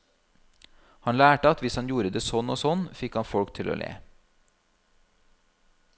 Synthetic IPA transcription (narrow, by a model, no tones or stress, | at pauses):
hɑnlæːʈəɑt̪ʋɪshɑnjuːɾəd̪eːsɔnoːsɔnfɪkhɑnfɔɽkt̪ʰɪlo̰ːlʔḛː